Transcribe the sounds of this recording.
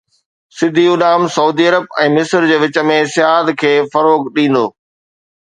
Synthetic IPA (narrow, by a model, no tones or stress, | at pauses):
sɪd̪ʱiʊɗaːmsɐuːd̪iɐɾəb̚ɛ̃ːmɪsɾd͡ʑeːʋɪt͡ɕə̆mẽsɪaːd̪kʰeːfɐɾoːɡɗĩːn̆d̪oː